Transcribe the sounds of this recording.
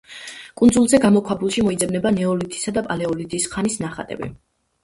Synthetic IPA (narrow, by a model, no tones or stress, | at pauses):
kʼund̪zulˠzɛɡamɔkʰwabulˠʃimɔid̪zɛbnɛbanɛɔlit̪ʰʼi̥sad̪apʼalɛɔlit̪ʼisχanisnaχa̰t̪ʼɛ̰bḭ